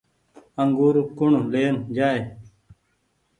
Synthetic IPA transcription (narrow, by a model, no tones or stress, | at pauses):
əŋɡuːɾukʊɳleːnd͡ʒaːe